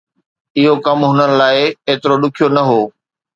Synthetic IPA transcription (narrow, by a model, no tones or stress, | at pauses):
ɪɦokɐmɦʊnənɪ̆laːɪeːt̪ɪɾoɗʊkʰijonɐɦoː